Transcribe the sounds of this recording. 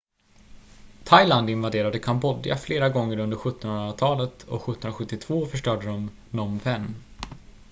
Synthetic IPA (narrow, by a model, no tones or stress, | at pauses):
t̪ʰajland̪ɪnvad̪eːɾad̪əkʰambɔd̪ja̰fleːɾaɡɔŋːəɾɵnd̪əɾɧɵt̪ːɔnhɵnɾat̪ʰɑːlət̪ɔ̰ɧɵt̪ːnɾaɧɵt̪ːɪt̪ʰv̥oːfœʂʈœːɖəɾɔm | nɔmfɛnː